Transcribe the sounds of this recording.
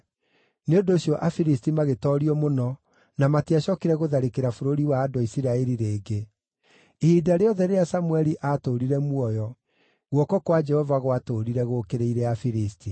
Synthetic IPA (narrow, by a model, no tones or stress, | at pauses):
neondoːɕjɔʔafiɾistimaɣetɔɾiɔmonɔ | namatiaɕɔkiɾɛɣoðaɾekeɾafoɾoɾiwaːdoisiɾaeɾiɾeːɡe | iːdaɾeɔðɛɾeasamwɛɾiʔatoɾiɾɛmwɔjɔ | ɣwɔkɔkwad͡ʒɛhɔvaɣwatoɾiɾɛɣokeɾeiɾɛafiɾisti